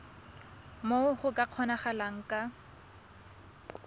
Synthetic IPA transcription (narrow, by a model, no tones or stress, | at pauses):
moχʊkʼaq͡χʰɔnaχalaŋ̩kʼa